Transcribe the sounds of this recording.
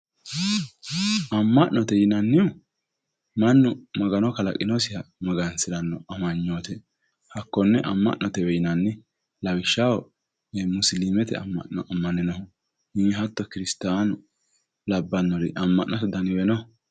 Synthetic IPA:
ɐmːɐʔnɔt̪ɛjɪnɐnːɪjʊ | mɐnːʊmɐɡɐnɔkɐlɐ̰kʼɪnɔsɪjɐmɐɡɐnsɪɾɐnːɔɐmɐɲːoːt̪ɛ | hɐkːɔnːɛʔɐmːɐ̰ʔnɔt̪ɛwɛjɪnɐnːɪ | lɐwɪʃːawɔ | ɛmʊslimɛt̪ɛ̰ɐ̰mːɐ̰ʔnɔɐmːɐnɪnɐhʊ | hɪnɦɐt̪ːɔkɪɾɪst̪aːnʊ | lɐbːɐnːɔɾɪ̰ʔɐmːɐ̰ʔnɔt̪ɛd̪ɐnɪwɛnɔ

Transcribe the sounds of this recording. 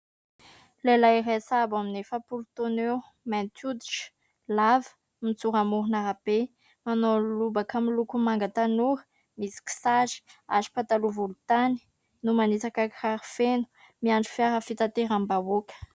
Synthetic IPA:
lelajresabaminefəpulut̪onew | mɛnt̪ʰud̪iʈ͡ʂə̥ | lavə̥ | mit͡suɾamuɾunaɾabe | manolubakamilukumaŋɡət̪anuɾə̥ | misi̥ki̥sazi̥azi̥pat̪aluvulut̪ani̥ | numanit͡sakakraɾifenu̥ | miaɳɖ͡ʐi̥fjaɾəfit̪at̪eɾambavokʲə̥

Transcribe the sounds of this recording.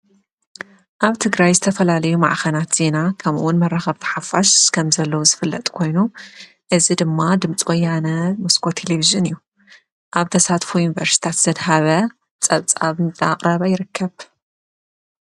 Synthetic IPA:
ʔaβt̪ʰɨɡɾajzɨt̪ʰɐfɐlalɐjuma̰ʕxɐnat̪z̥e̞nakʰɐmṵwʊnmɐrːaxɐβt̪ʰɐ̥ħafaʃkʰɐmzɐlːɐwzɨfɨlːɐt̪ʼkʰo̞jnu | ʔɨzid̪ɨmːad̪ɨmt͡sʼwɔjːanɐmɨskʰo̞t̪ʰeleviʒɨnɨjːu | ʔaβt̪ʰɐsat̪fujunvɐɾsi̥t̪ʰat̪z̥ɐd̪haβɐ | t͡sʼɐβt͡sʼaβntʼa̰qʼɾɐβajɪɾɨkʰːɐβ

